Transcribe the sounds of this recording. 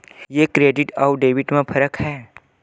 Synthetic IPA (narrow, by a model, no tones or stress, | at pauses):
jeːkɾeːɖɪʈaːwɖeːʋɪʈmẽpʰɐɾəkhɛː